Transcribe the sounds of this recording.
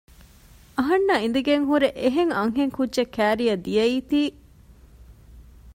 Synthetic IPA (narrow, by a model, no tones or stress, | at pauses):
ɐɦɐnːɐind̪uɡeŋɦuɾeʔeɦeŋɐŋɦeŋkudʒekːæːɾijɐd̪ijɐiːt̪iː